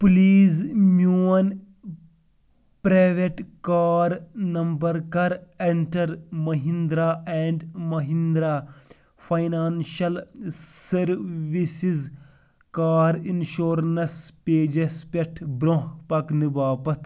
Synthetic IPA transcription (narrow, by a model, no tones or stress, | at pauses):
pliːzmjuːɐn | pɾaːʋeʈkaːɾnɐmbɐɾkɐɾeɳʈɐɾmɐɦĩnd̪ɾaːɛːɳɖmɐɦind̪ɾa | fɐjnaːnʃɐlsɐɾʋisiz | kaːɾinʃoːɾnɐspeːd͡ʒespeʈʰbɾõɦpɐknibaːpɐt̪ʰ